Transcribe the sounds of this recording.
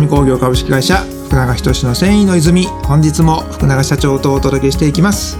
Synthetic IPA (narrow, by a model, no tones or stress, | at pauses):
mʲiko̞ːɡʲo̞ːkabɯ̟ɕi̥kʲiɡaiɕa | ɸɯ̥kɯ̟naɡaçi̥t̪o̞ɕino̞sẽ̞ɰ̃ĩno̞izɨmʲihõ̞ɲ̟d͡ʑit͡sɨmo̞ɸɯ̥kɯ̟naɡaɕat͡ɕo̞ːt̪o̞ːt̪o̞d̪oke̞ɕi̥t̪e̞ikʲimasɨ̥